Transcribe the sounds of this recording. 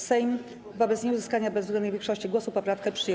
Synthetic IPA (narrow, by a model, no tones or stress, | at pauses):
sɛjm | vɔbɛt̪sɲɛuzɘskaɲabɛzvzɡɛnd̪uɲuvʲjẽŋkʂɔɕt͡ɕiɡwɔsupɔpɾafkɛpʂɘj